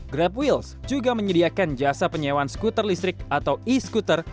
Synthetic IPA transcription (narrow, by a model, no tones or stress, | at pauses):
ɡɾɛp̚wilsd͡ʒuɡaməɲədiakand͡ʒasapəɲɛwanskut̪ərlist̪ɾɪk̚at̪awiskut̪ər